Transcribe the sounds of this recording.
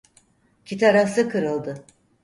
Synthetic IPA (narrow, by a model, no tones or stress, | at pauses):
cʰit̪ʰaɾafsɯkʰɯɾɯlˠd̪ɯ